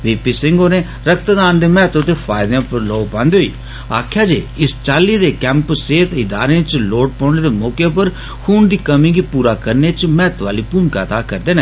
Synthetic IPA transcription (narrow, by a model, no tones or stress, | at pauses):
ʋiːpiːsɪ̃ŋɡoːnẽː | ɾəkʰt̪d̪aːnd̪eːmɛːt̪õt̪eːpʰaːɪd̪ãːpəɾloːpãːnd̪eɦoḭː | a̰ːkʰjaːd͡ʒeːɪst͡ʃaːliːd̪eːkɛ̃ːmpseːt̪ʰɪd̪a̰ːɾẽːt͡ʃloːʈ̚pɔ̃ːneːd̪eːmɔːkeːpəɾ | xʰuːɳd̪iːkəmĩːɡiːpuːɾaːkəɾneːt͡ʃmɛːt̪ʋaːliːpuːmka̰ːt̪aːkəɾd̪eːnɛː